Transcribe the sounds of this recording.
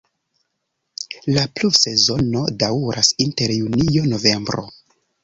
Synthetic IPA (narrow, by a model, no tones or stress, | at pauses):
laplufse̞zo̞no̞dawɾʔasinte̞ɾjunijo̞no̞ve̞mbɾo̞̰